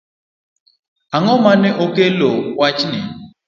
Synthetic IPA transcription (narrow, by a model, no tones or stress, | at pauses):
aŋɔmanɛʔokelowat͡ʃni